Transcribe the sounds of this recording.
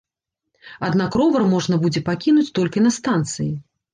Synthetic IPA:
ad̪nakrɔvɐrmɔʐnɐbud͡zʲɛpakʲinut͡sʲt̪ɔlʲkʲinɐst̪ant̪sɨji

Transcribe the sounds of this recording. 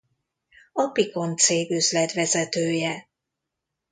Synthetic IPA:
ɒpiko̞nt̪seːɡøzlɛt̪ʋɛzɛt̪øːjɛ

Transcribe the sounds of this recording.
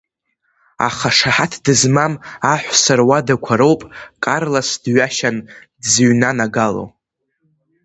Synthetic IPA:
a̰χaʂaħatʰdɨzmamaħʷsarwadakʷʰaɾowpʼkʼarlasdɥaʃandzɨɥnanaɡalo̰w

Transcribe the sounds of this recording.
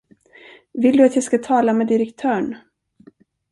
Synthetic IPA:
vɪld̪ɵat̪jɑskat̪ʰɑːlamɛːd̪ɪɾɛkt̪ʰœːɳ

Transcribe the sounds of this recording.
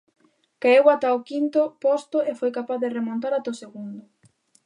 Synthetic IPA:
kaewat̪aokint̪ʊpɔst̪ʊefojkapaθðɪremõnt̪aɾat̪oseɣund̪ʊ

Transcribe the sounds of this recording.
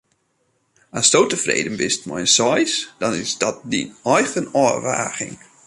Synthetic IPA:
astowtəfrḛːdənbɪstmɔ̰jənsɔjsd̥ɔnɪsd̥ɔt̚dḭnɔjxənɔrʋa̰ːɣɪ̰ŋ

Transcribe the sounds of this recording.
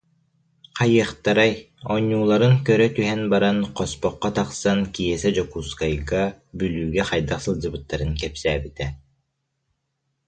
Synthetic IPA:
qʰajɯχt̪aɾaj | ɔɲːuːlˠaɾɯŋkœɾœt̪yɦɛnbaɾanqɔspɔqːɔt̪aqsankijɛsɛd͡ʑɔkuːskajɡabylyːɡɛχajd̪aqsɯlˠd͡ʑɯbɯt̪ːaɾɯnkɛpsæːbit̪ɛ

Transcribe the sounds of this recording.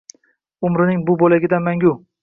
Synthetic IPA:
ʊmɾɪnɪŋbʊbolaɡʲɪd̪anmaŋʲʊ

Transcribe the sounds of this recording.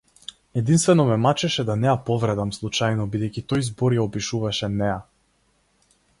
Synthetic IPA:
ɛd̪inst̪vɛnɔmɛmat͡ʃɛʃɛd̪anɛjapɔvɾɛd̪amslˠut͡ʃajnɔbid̪ɛjcʲit̪ɔjzbɔɾjaɔpiʃuvaʃɛnɛja

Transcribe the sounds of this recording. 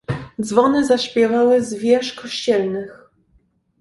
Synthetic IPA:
d̪zvɔnɘzaɕpʲjɛvawɘzvʲjɛʂkɔɕt͡ɕɛlnɘx

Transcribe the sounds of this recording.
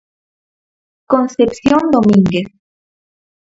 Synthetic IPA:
konsepsjond̪omĩŋɡes

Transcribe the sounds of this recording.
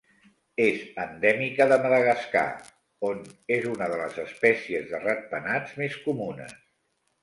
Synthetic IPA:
ezənd̪ɛmikəðəməðəɣəska̰ | onezunəðələzəspɛsiəzðərət̪̚pənad͡zmeskumunə̰s

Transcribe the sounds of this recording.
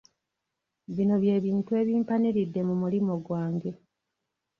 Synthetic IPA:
βino̞βje̞ːβiːntue̞ːβjiːmpaniɾidːe̞mumulimo̞ɡwaːŋɡe̞

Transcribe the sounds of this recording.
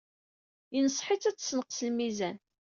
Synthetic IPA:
inəsˤħɪt͡sæt͡sːsnəqsəlmizæn

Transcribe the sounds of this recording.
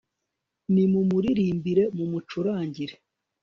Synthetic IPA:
nimumuɾiɾiːmbiɾe̞mumut͡ʃuɾaːɲɟiɾe

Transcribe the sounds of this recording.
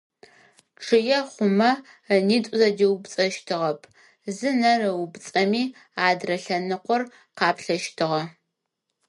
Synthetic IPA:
ʈ͡ʂʰɨjɛχʷʊmɐ | niːtʷʼʊzɐdiwbt͡sʼɐʃtʰɨʁɐpʰ | zɨnɐrɨwbt͡sʼɐmiː | aːdrɐɬɐnɨqʷɔr | qɑːpɬɐʃtʰɨʁɐ

